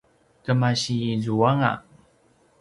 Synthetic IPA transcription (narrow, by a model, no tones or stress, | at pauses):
təmaɕiizuaŋa̰